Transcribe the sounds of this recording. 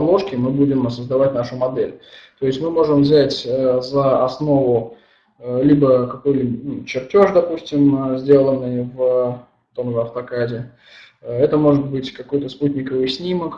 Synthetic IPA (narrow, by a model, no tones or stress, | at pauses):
blˠoʂkʲɪmɨbudʲɪmsəzd̪ɐvatʲnaʂʊmɐd̪ɛlʲt̪o̞jɪsʲtʲmɨmo̞ʐɨmvzʲætʲzəɐsno̞vʊ | lʲibəkɐko̞jlʲibənut͡ɕɪrtʲo̞ʐd̪ɐpusʲtʲɪmzʲdʲe̞lˠənːɨjv | t̪o̞mʐəɐft̪ɐkadʲɪ | ɛt̪əmo̞ʐɨt̪̚bɨtʲkɐko̞jt̪əsput̪ʲnʲɪkəvɨjsʲnʲimək